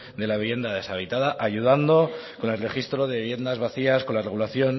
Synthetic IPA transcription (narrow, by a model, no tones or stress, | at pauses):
d̪e̞laβiβje̞nd̪aðe̞saβ̞it̪aðaʔaʝuð̞and̪o̞ko̞ne̞lreχist̪ɾo̞ðe̞βiβje̞nd̪azβaθiasko̞nlare̞ɣulaθjo̞n